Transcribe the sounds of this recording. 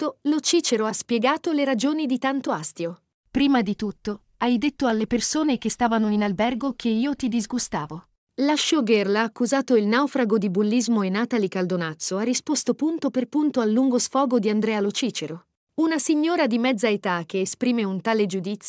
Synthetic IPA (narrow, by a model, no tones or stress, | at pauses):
olot͡ʃiːt͡ʃeɾoaspjɛɡaːt̪oleɾad͡ʒoːnid̪it̪ant̪oast̪jo | pɾiːmad̪it̪ut̪ːo | ajd̪et̪ːoalːepersoːnek̟est̪aːvanoinalbɛrɡokʰeiːot̪id̪izɡust̪aːvo | laʃːoɡerlaːkːuzaːt̪oilnawfɾaɡod̪ibulːizmoenaːt̪alikald̪onat̪sːoarːispost̪opunt̪operpunt̪oalːuŋɡosfɔːɡod̪iand̪ɾɛːalot͡ʃiːt͡ʃeɾo | unasiɲːoːɾad̪imɛd̪zaet̪ak̟ːeːspɾiːmeunt̪aːled͡ʒud̪it̪sː